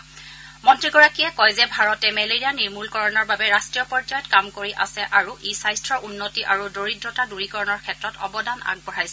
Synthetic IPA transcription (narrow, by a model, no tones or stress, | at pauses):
mɔntɹiɡɔɹakiɛkɔjzɛbʱaɹɔtɛmɛleɹijaniɹmulkɔɹɔnɔɹbabɛɹastɹijɔpɔɹd͡ʒajɔtkamkoɹiʔa̰sɛʔaɹuʔisajstɹɔʔunːotiʔaɹudoɹitːɔtaduɹikɔɹɔnɔɹkʰɛtɹɔtʰɔ̰bɔdana̰ɡ̚bɔɹajsɛ